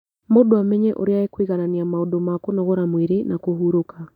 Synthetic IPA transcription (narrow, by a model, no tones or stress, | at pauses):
modoamɛɲɛʔo̰ɾeaekwiɣananiamaodomakonoɣoɾamweɾenakoɦuɾoka